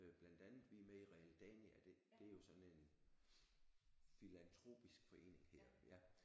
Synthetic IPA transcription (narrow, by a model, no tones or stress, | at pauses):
b̥lænd̥ænð̩ˠʋimeiʁɛæld̥ɛniæd̥ed̥e̝æɐjo̝sɒ̥̽n̩e̝n | filænt͡sʰʁo̝̰ːb̥isɡ̥fɒ̽e̝̰ːne̝ŋhɛɐ̰jæ